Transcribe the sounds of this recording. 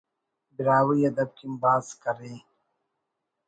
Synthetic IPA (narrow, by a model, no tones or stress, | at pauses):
bɪɾaːwiiɐd̪ɐb̚kimbaːzkɐɾeː